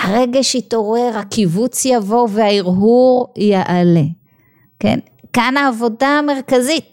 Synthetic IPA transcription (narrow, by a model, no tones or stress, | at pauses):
haʁe̞ɡeʃit̪o̞ʁe̞ʁhakivut͡sjavo̞vehaiʁɦuʁjaʔale | ke̞̰n | kanaːvo̞daːme̞ʁkazit̪̚